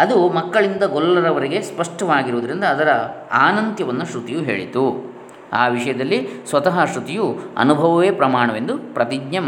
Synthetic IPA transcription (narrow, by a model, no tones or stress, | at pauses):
ɐd̪umɐkːɐɭind̪ɐɡɔlːɐɾɐʋɐɾeɡe̞spɐʂʈɐʋaːɡiɾuʋːd̪ɐɾind̪ɐːd̪ɐɾɐaːnɐnt̪jɐʋɐnːɐʃɾut̪ijuɦḛːɭḭt̪u | a̰ːʋiʂɐjɐd̪ɐlːisʋɐt̪ɐɦɐʃɾut̪ijuɐ̰nubʱɐʋɐʋeːpɾɐmaːɳɐʋe̞nd̪upɾɐt̪iɡɲɐm